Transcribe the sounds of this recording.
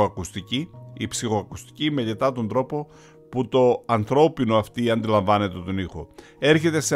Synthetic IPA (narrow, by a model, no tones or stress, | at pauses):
ɐkust̪iciipsixo̞ɐkust̪i̥cime̞ʎet̪ɐt̪o̞nd̪ɾo̞po̞ | put̪o̞ɐnθɾo̞pino̞ɐft̪iɐnd̪ilɐɱvɐne̞t̪e̞t̪o̞nixo̞ | e̞ɾçe̞t̪e̞se